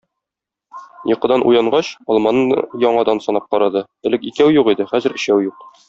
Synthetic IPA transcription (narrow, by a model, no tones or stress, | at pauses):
jɤ̆qɤ̆d̪ɑnʔṵjɑɴɢɑɕɒlˠmɑnɤnjɒɴɑd̪ɑnsɒnɑp̚qɒɾɑd̪ɤ | ɘ̆lɘkikæwjuqid̪ɘχæzɘ̆ɾɘ̆ɕæwjuq